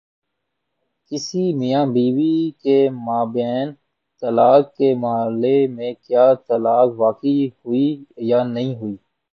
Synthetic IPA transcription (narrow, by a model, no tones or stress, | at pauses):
kɪsimijãːbiːʋikemaːbɛːn | t̪əlaːkːemaəlemẽkjaːt̪əlaːkʋaːkihʊiːjaːnəɦĩɦʊiː